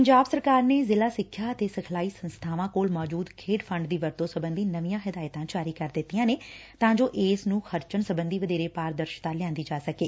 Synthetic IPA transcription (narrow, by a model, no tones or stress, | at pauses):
pəɲd͡ʒaːbsəɾkaːɾneːzɪlaːsɪkʰːjaːət̪eːsəkʰlaːiːsənst̪ʰaːʋãːkoːlmɔːd͡ʒuːd̪kʰeːɖpʰə̃ɳɖd̪iːʋəɾt̪õːsəbə̃nd̪iːnəʋijãːɦɪd̪aːjət̪ãːd͡ʒaːɾiːkəɾd̪ɪt̪ːijãːneːt̪ãːd͡ʒoːʔeːsnũːxəɾt͡ʃəɳsəbənd̪iːʋəd̪eːɾeːpaːɾd̪əɾʃt̪aːlɪãːnd̪iːd͡ʒaːsəkeː